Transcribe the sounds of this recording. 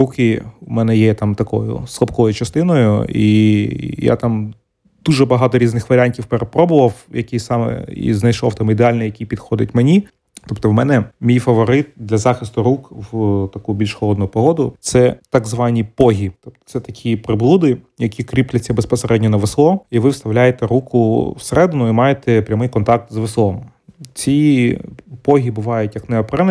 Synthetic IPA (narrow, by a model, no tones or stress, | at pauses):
rukɪumɛnɛjɛt̪ɑmt̪ɐkɔ̰jʊ̰slˠɐpkɔjʊt͡ʃɐst̪ɪnɔjʊ̰ḭja̰t̪ɑm | d̪̥uʒɛbɐɦɑt̪ɔɾʲiznɪxʋɐɾʲanʲtʲiwpeɾepɾɔbʊʋɐwjɐkʲisɑmɛ̰ḭznɐjʃɔwt̪ɑmid̪eɑlʲnɛjɐkʲipʲid̪xɔd̪ɪtʲmenʲi | t̪ɔpt̪ɔwmɛnɛmʲijfɐʋɔɾɪt̪̚d̪lʲɐzɑxɪst̪ʊɾukwt̪ɐkubʲilʲʃxɔlˠɔd̪nʊpɔɦɔd̪ʊt̪sɛt̪ɑɡzʋɑnʲipɔɦʲit̪ɔp̚t̪ɔ̥t̪sɛt̪ɐkʲʰipɾɪblˠud̪ɪjɐkʲikɾʲiplʲɐt͡sʲːɐbespɔseɾɛdʲnʲɔnɐʋeslˠɔiʋɪwst̪ɐwlʲajet̪ɛɾukʊwseɾɛd̪ɪnʊimɑjet̪ɛpɾʲɐmɪjkɔnt̪ɑk̚t̪zʋeslˠɔm | t͡sʲi | pɔɦʲibʊʋɑjʊtʲjɐknɛɔpɾɛn